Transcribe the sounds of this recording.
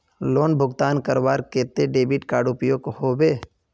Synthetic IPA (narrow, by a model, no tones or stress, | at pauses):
loːnbʱʊɡt̪aːnkəɾwaːɾkeːt̪eɖeːbiːʈkaːɖʊpjoːkhoːbeː